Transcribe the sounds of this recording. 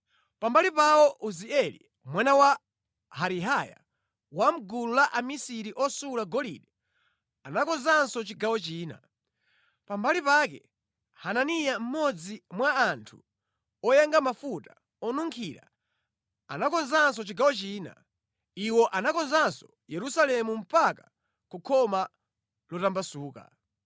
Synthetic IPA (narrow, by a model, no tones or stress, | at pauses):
pambalipawɔʔuziɛlḭ | mwanawa | haɾiɦaja̰ | wam̩ɡululaʔamisiɾiʔɔsulaɡɔlḭɗɛ | anakɔnzansɔt͡ʃiɡawɔt͡ʃiːna̰ | pambalipakɛ̰ | hananijam̩mɔd͡zimwaːntʰu | ɔjɛŋɡamafuta | ɔnuŋkʰiɾa̰ | anakɔnzansɔt͡ʃiɡawɔt͡ʃiːna̰ | iwɔʔanakɔnzansɔ | jɛɾusalɛmum̩paka | kukʰɔma | lɔtambasuːka̰